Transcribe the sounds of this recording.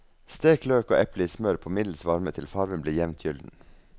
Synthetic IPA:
st̪eːkløːko̰ːʔɛplɪsmœɾpʰomɪd̪l̩sʋɑɾmət̪ʰɪlfɑɾʋənbleːjɛʋnt̪ʰjʏld̪n̩

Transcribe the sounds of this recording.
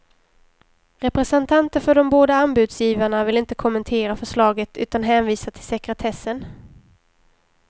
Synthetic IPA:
ɾɛpɾɛsɛnt̪ʰant̪əɾfœɖɔmboːd̪aanbʉ̟ːd̪sjiːvaɳavɪlɪnt̪əkʰɔmːɛnt̪ʰeːɾafœʂlɑːɡət̪ʰʉ̟ːt̪anɦɛːnviːsat̪ʰɪ̥lsɛkɾɛt̪ʰɛsːən

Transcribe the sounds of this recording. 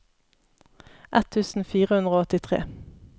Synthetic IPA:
ʔɛt̪ʰʉːsn̩fiːʁəhʉnd̪ʁoːɔt̪ɪt̪ʰʁḛː

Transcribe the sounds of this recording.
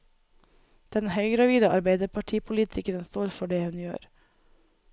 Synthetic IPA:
d̪̥ɛnhœʏɡɾɑʋiːd̪əʔɑ̰ɾbeɪd̪əpʰɑʈʰiːpʰʊliːt̪ʰɪkəɾənst̪oːɾfɔɖeːhʉnjø̰ːɾ

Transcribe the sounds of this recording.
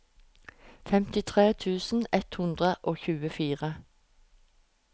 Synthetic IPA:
fɛmt̪ɪt̪ʰʁeːt̪ʰʉːsn̩ɛt̪hʉnd̪ʁəʔoːçʉːəfiːʁə

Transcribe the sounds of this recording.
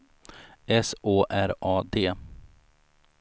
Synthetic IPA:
ɛsʔoːʔæɾʔɑːd̪eː

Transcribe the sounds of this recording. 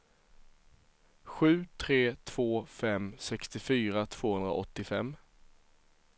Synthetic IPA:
ɧʉ̟ːt̪ʰɾeːt̪ʰv̥oːfɛmsɛkst̪ɪfyːɾat̪ʰv̥oːhɵnd̪ɾa̰ɔt̪ːɪfɛmː

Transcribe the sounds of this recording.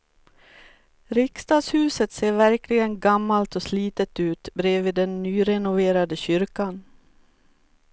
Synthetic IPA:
ɾɪkst̪ɑːd̪shʉ̟ːsət̪seːɾvæɾklɪɡənɡamːalt̪ɔsliːt̪ət̪ʉ̟ːt̪bɾeːviːd̪ɛnːyːɾɛnʊveːɾad̪əɕʏɾkan

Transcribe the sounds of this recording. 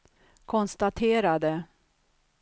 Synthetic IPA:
kʰɔnst̪at̪ʰeːɾad̪ə

